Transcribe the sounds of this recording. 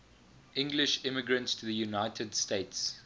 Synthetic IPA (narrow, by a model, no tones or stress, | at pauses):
ʔɪ̃ŋɡlɪʃɪ̃məɡɹə̃ntstʰuðəjunaɪtʰədsteɪts